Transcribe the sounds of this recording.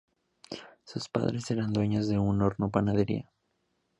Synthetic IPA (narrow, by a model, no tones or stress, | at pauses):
suspa̰ðɾe̞se̞ɾand̪we̞ɲozðe̞unːoɾnopanað̞e̞ɾḭa